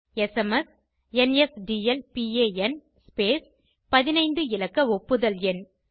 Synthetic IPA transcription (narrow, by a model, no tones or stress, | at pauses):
ɛsɛmɐs | ɛnɛsɖiːɛlpieːɛn | speːs | pɐðɪnɐɪnd̪ɯɪlɐkːɐɔpːɯðɐlɛn